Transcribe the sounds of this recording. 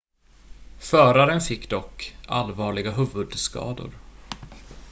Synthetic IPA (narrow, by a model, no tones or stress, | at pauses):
fœːɾaɾənfɪkːd̪ɔkːa̰lvɑːɭɪɡaɦɵːvɵd̪skɑ̰ːd̪ʊ̰ɾ